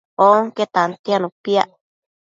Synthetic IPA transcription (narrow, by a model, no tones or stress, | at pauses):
oŋket̪ant̪ianũpiaʔ